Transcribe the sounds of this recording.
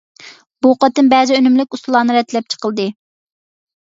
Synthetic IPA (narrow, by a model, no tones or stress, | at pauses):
b̥uqɑt̪ɨnbɛzɪønymlɪkʲust̪ulˠɑːnɨɾɛt̪ʰːlɛp̚t͡ʃʰə̥qəlˠd̪ɨ